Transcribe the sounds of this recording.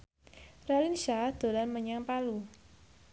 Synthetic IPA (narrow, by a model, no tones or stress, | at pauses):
ralinʃad̪̥o̤lanməɲaŋpalu